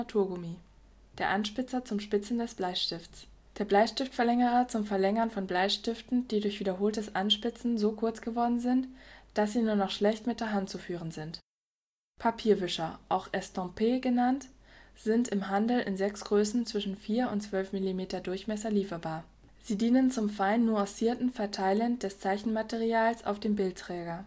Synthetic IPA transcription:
atʰuːɐɡʊmi | d̥eːɐʔanʃpɪt͡sɐt͡sʊmʃpɪt͡sn̩dɛsb̥laɪʃtɪft͡s | d̥eːɐblaɪçʃtɪftfɛɐlɛŋəʁɐt͡sʊmfɛɐlɛŋɐnfɔnblaɪʃtɪftn̩d̥iːdʊɐçv̥iːdɐɦoːltəsʔanʃpɪt͡sn̩zoːkʰʊɐt͡sɡ̥əvɔɐdn̩zɪntd̥as̬z̥iːnuːɐnɔχʃlɛçtmɪt̚d̥eːɐɦant̚t͡sufyːʁ̞ənzɪnt | pʰapʰiːɐvʏʃɐʔaʊxʔɛstɔ̃pʰeːɡənantz̥ɪntɪmɦandl̩ɪnzɛksɡ̥ʁøːsn̩t͡sv̥ɪʃn̩fiːɐʊntt͡sv̥œlfmilimeːtɐdʊɐçmɛsɐliːfɐbaːɐ | z̥iːdiːnənt͡sʊmfaɪnːuːãsiːɐtn̩fɛɐtʰaɪləndɛst͡saɪçn̩matɛʁiaːlsʔa̰ʊfd̥eːmbɪlttʁ̥ɛːɡɐ

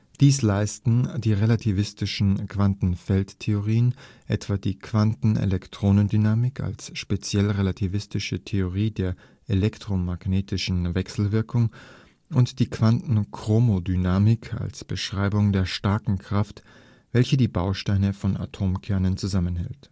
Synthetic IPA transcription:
d̥iːslaɪstn̩diːʁelatʰivɪstɪʃn̩kv̥antn̩fɛlttʰeoʁiːənʔɛtv̥adiːkʰv̥antn̩ʔḛlɛktʁ̥oːnəndynaːmɪka̰lsʃpet͡sjɛlʁelatʰivɪstɪʃətʰeoʁ̞iːdeːɐ | ʔelɛktʁ̥omaɡneːtɪʃn̩vɛksl̩vɪɐkʰʊŋ | ʊntd̥iːkv̥antn̩kʁ̥oːmodynaːmɪkʰa̰lsb̥əʃʁ̥aɪbʊŋdeːɐʃtaɐkŋ̩kʁ̥aft | v̥ɛlçədiːbaʊʃtaɪnəfɔna̰tʰoːmkʰɛɐnənt͡suzamənhɛ̰lt

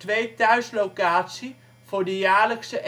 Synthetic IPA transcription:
tʋeːtœɥslokaːtsi | v̥ʊːɹdəjaːɹləksəʔ

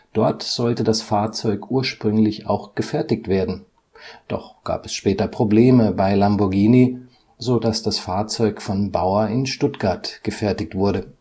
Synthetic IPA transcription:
d̥ɔɐtz̥ɔltədasfaːɐt͡sɔʏkʔuːɐʃpʁ̥ʏŋlɪça̰ʊxɡ̥əfɛɐtɪktv̥eːɐdn̩ | d̥ɔ̰χɡ̥a̰ːpɛsʃpɛːtɐpʁ̥obleːməbaɪlambʊɐɡiːni | zoːdasd̥asfaːɐt͡sɔʏkfɔnbaʊɐɪnʃtʊtɡ̥aɐtɡ̥əfɛɐtɪk̚tv̥ʊɐɾə

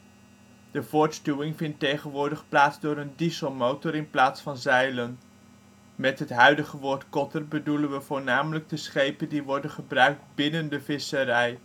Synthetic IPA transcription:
d̥əv̥ʊːɹtstuwɪŋvɪntːejχənʋʊːɹdəχplaːtzdʊːɾəndisomowtɔɾɪnplaːtsfɑnzɛjlən | mɛtɦətɦœɥdəχəʋʊːɹtkɔtərbədulənʋəvʊːɹnaːmələɡ̚dəsχejpəndiʋɔɹdənχəbrœɥk̚dbɪnəndəvɪsəɾɛj

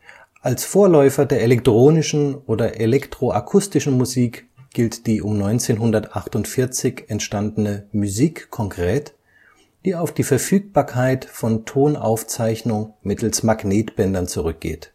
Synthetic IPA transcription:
ʔalsfoːɐlɔʏfɐdeːɐelɛk̚tʁ̥oːnɪʃn̩ʔoːdɐʔelɛktʁ̥oʔakʰʊstɪʃn̩muziːk | ɡ̥ɪltd̥iːʔʊmnɔʏnt͡seːnɦʊndɐtʔaχtʊntfɪɐt͡sɪçɛntʃtandn̩əmuziːkʰːɔŋkʁ̥ɛːt | d̥iːaʊfd̥iːfɛɐfyːk̚b̥aːɐkʰaɪtfɔntʰoːnʔa̰ʊft͡saɪçnʊŋmɪtl̩smaɡneːtb̥ɛndɐnt͡suʁʏk̚ɡ̥ḛːt

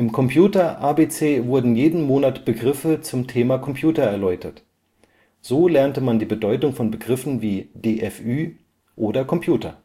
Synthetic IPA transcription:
ʔɪmkʰɔmpʰjuːtɐʔaːbeːt͡seːvʊɐdn̩jeːdn̩moːnatb̥əɡʁɪfət͡sʊmtʰeːmakʰɔmpʰjuːtɐɛɐlɔʏtʰɐt | z̥oːlɛɐntəmandiːbədɔʏtʊŋfɔnbəɡʁɪfn̩viːd̥eːʔɛfʔyː | ʔoːdɐkʰɔmpʰj̥uːtɐ

